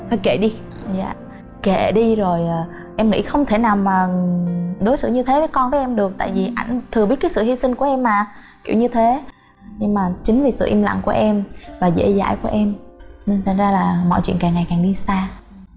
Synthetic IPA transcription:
fa˧˩jke˧˩ɗi˧ | za̰ː˧˨ | ke˧˩ɗi˧zo˨˩jʔəː˨˩ | ʔɛ˧mŋḭ˧˥xə˧wŋ͡mt̪ʰe˧˩naː˨˩wmaː˨˩ | ɗo˨˦jsɨ̰˧˨ɲɨ˧t̪ʰe˨˦və˨˦jkɔ˧nvəː˨˦jʔɛ˧mɗɨ˨˩ək̚t̪a̰ː˧˨jvi˨˩ʔa˧˩jŋ̟t̪ʰɨ˨˩əɓi˦˥t̚kːsɨ̰˧˨hi˧sï˧ŋ̟ku˧˩əʔɛ˧mːaː˨˩ | ki˧˩əwɲɨ˧t̪ʰe˨˦ | ɲɨ˧ŋmaː˨˩t͡ɕï˨˦ŋ̟vi˨˩sɨ̰˧˨ʔi˧mla̰˧˨ŋku˧˩əʔɛ˧mvaː˨˩zḛ˧˥za̰ː˧˨jku˧˩əʔɛ˧m˧˩t̪ʰa˨˩ŋ̟zaː˧laː˨˩mɔ̰˧˨t͡ɕwḭ˧˨ənkaː˨˩ŋːa˨˩jkaː˨˩ŋɗi˧saː˧

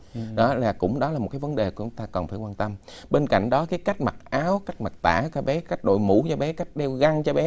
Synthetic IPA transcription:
ɗɔ˨˦laː˨˩kʊ̰˧˥ŋ͡mɗɔ˨˦laː˨˩mo˨˩t̚kaː˨˦və˨˦nɗe˨˩ko˨˧˩t͡ɕʊ˨˦ŋ͡mt̪aː˧kɔ˨˩nfaː˧˩jkwaː˧nt̪ə˧m | ɓe˧nka̰˧˨jŋ̟ɗɔ˨˦kaː˨˦jka˦˥jk̟̚ma˨˩t̚ʔaː˨˦wka˦˥jk̟̚ma˨˩t̚t̪a̰ː˧˩kaː˨˦ɓɛ˨˦ka˦˥jk̚ɗo̰˧˨jmṵ˧˩˥t͡ɕɔ˧ɓɛ˨˦ka˦˥jk̟̚ɗɛ˧wɣa˧ŋt͡ɕɔ˧ɓɛ˨˦

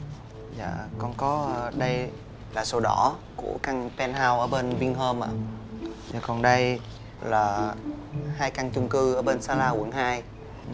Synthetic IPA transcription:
za̰ː˧˨kɔ˧nkɔ˨˦ə˧ɗə˧j | laː˨˩so˧wɗɔ˧˩kṵ˧˩əka˧ŋt̪ɛ˧nɦaː˧wʔəː˧˩ɓe˧nɓï˧ŋɦəː˧mʔa̰ː˧˨za̰ː˨˩kɔ˨˩nɗə˧j | laː˨˩ | haː˧jka˧ŋt͡ɕʊ˧ŋ͡mkɨ˧ʔəː˧˩ɓe˧nsaː˧laː˧hu˨˧˩əŋhaː˧j

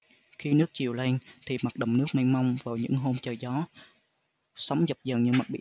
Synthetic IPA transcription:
xi˧nɨ˦˥ək̚t͡ɕi˨˩əwle˧ŋt̪ʰi˨˩ma˨˩t̚ɗə˨˩wŋ͡mnɨ˦˥ək̚ma˧ŋma˧wŋ͡mvaː˨˩wɲɨ̰˧˥ŋɦo˧mt͡ɕəː˨˩jzɔ˨˦ | sa˨˦wŋ͡mzə˨˩p̚zə˨˩nɲɨ˧˩ŋma˨˩ɓḭ˧˨

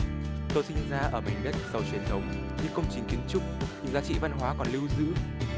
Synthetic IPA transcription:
t̪o˧jsï˧ŋ̟zaː˧ʔəː˧˩ma˨˩jŋmə˦˥t̚z̥ə˨˩wt͡ɕwi˨˩ənt̪ʰə˨˦wŋ͡m | ɲɨ̰˧˥ŋkə˧wŋ͡mt͡ɕï˨˩ŋ̟ki˨˦ənt͡ɕʊ˦˥k͡p̚ɲɨ̰˧˥ŋzaː˨˦t͡ɕḭ˧˨va˧nɦwaː˨˦kɔ˨˩nli˧wzɨ̰˧˥

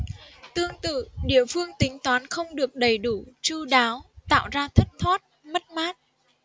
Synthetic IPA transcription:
t̪ɨ˧əŋt̪ɨ̰˧˨ɗḭ˧˩əfɨ˧əŋt̪ï˨˦ŋ̟t̪waː˨˦nxə˧wŋ͡mɗɨ˨˩ək̚ɗə˨˩jɗu˧˩t͡ɕu˧ɗaː˨˦wt̪a̰ː˧˨wzaː˧t̪ʰə˦˥t̚t̪ʰwaː˦˥t̚mə˦˥t̚maː˦˥t̚

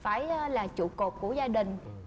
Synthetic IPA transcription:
faː˧˩jlaː˨˩t͡ɕṵ˧˨ko˨˩p̚ku˧˩əzaː˧ɗï˨˩ŋ̟

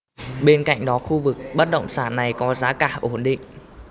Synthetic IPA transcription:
ɓe˧nka̰˧˨jŋ̟ɗɔ˨˦xu˧vɨ˨˩k̚ɓə˦˥t̚ɗə̰˧˨wŋ͡msaː˧˩nːa˨˩jkɔ˨˦zaː˨˦kaː˧˩ʔo˧˩nɗḭ˧˨ŋ̟

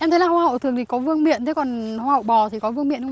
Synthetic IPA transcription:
ʔɛ˧mt̪ʰə˨˦jlaː˨˩hwaː˧ɦə̰˧˨wt̪ɨ˨˩əŋt̪ʰi˨˩kɔ˨˦vɨ˧əŋmḭ˧˨ənt̪ʰe˨˦kɔ˨˩nhaː˧hə̰˧˨wɓɔ˨˩t̪ʰi˨˩kɔ˨˦vɨ˧əŋmḭ˧˨ənxə˧ŋ͡m

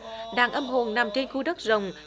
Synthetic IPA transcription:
ɗaː˧˩ŋʔə˧mɦo˨˩ŋna˨˩mt͡ɕe˧nxu˧ɗə˦˥k̚zə˨˩wŋ͡m

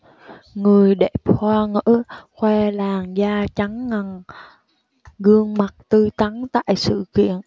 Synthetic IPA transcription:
ŋɨ˨˩əjɗe˨˩p̚hwaː˧ŋɨ̰˧˥xwɛ˧laː˨˩ŋzaː˧t͡ɕa˨˦ŋːa˨˩ŋ | ɣɨ˧əŋma˨˩t̚t̪ɨ˧t̪a˨˦ŋt̪a̰ː˧˨jsɨ̰˧˨kḭ˧˨ən

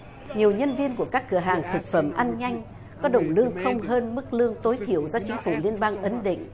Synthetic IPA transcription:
ɲi˨˩əwɲə˧nvi˧ənku˧˩əkaː˦˥kːɨ˧˩əɦaː˨˩ŋt̪ʰɨ˨˩k̚fə˧˩mʔaː˧nɲa˧jŋ̟ | kɔ˨˦ɗə˧˨˩wŋ͡mlɨ˧əŋxə˧wŋ͡mɦəː˧nmɨ˦˥k̚lɨ˧əŋt̪o˨˦jt̪ʰi˧˩əwzɔ˧t͡ɕï˨˦ŋ̟fu˧˩li˧ənɓaː˧ŋʔə˨˦nɗḭ̈˧˨ŋ̟

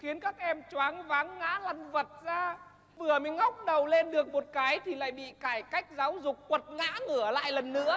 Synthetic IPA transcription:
xi˨˦ənkaː˦˥k̚ʔɛ˧mt͡ɕwaː˨˦ŋvaː˨˦ŋːa̰ː˧˥la˧˩jŋvə˨˩t̚zaː˧ | vɨ˨˩əmə˨˦ŋŋa˦˥wk͡p̚ɗə˨˩wle˧nɗɨ˨˩ək̚mo˨˩t̚kaː˨˦jt̪ʰi˨˩la̰ː˧˨jɓḭ˧˨kaː˧˩jka˦˥jk̟̚zaː˨˦wzʊ˨˩k͡p̚ːwə˨˩t̚ŋa̰ː˧˥ŋɨ˧˩əla̰ː˧˨jlə˨˩nːɨ̰˧˥ə

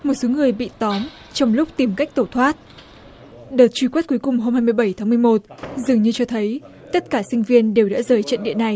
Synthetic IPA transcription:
mo˨˩t̚so˨˦ŋɨ˨˩əjɓḭ˧˨t̪ɔ˨˦m | t͡ɕɔ˧wŋ͡mlʊ˦˥k͡p̚t̪i˨˩mka˦˥jk̚t̪o˧˩t̪ʰwaː˦˥t̚ | ɗəː˨˩t̚t͡ɕwi˧˩kwe˦˥t̚ku˨˦jkʊ˨˩ŋ͡mɦo˧mhaː˧jmɨ˧əjɓə˧˩jt̪ʰaː˨˦m˨˧əjmo˨˩t̚zɨ˨˩əŋɲɨ˧t͡ɕɔ˧t̪ʰə˨˦j | t̪ə˦˥t̚kaː˧˩sï˧ŋ̟vi˧ənɗe˨˩wɗa̰ː˧˥zəː˨˩jt͡ɕə̰˧˨nɗḭ˧˨əna˨˩j

